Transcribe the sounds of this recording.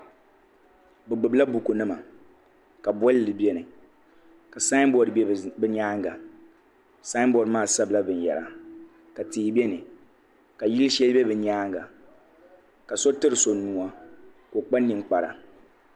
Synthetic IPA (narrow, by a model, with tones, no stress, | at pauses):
bɨ˨ɡ͡bɨ˨bla˦bu˨ko˨nɨ˦ma˨ | ka˨bɔ˦llɨ˨bɛ˦nɨ˨ | ka˨sa˦nbɔ˨dbɛ˦bɨ˦ɲaː˦ŋ˦ɡa˨ | sa˦ɪ˦bɔ˨dmaː˦˨sa˦bɨ˨la˦bɨ˨n˨jɛ̰˨la̰˨ | ka˨tiː˨˦˨bɛ˦nɨ˨ | ka˨ji˦lʃɛ˦lbɛ˦bɨ˨ɲaː˦ŋ˦ɡa˨ | ka˨so˦tɨ˦ɾɨ˨so˨nu˨a˦ | ko˨k͡pa˦nː˦ɨ˨mk͡pa˨ɾa̰˨